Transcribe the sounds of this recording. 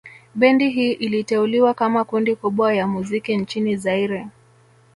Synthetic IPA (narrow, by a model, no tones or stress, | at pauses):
ɓɛndiɦiːʔilitɛuliwakamakundikuɓwajamuzikint͡ʃinizaiɾɛ